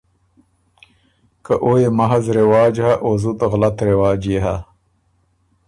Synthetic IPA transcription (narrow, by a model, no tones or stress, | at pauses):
kaʔoːjemɐɦɐzɾewaːd͡ʑhaʔoːzut̪ɣlɐt̪ɾewaːd͡ʑeɦa